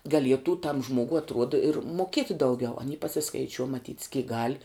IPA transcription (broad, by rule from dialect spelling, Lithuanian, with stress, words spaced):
ɡɐˈlʲiɛtuː tɐm ˈʒmuɔɡʊ ɐtˈruɔdɐ ɪr muɔˈkʲiɛtʲɪ dɐʊˈɡʲɛʊ ɐˈnʲiː pɐsʲɪskɐɪˈt͡ʃʲuɔ mɐˈtʲiːtʲs kʲiːk ɡɐlʲ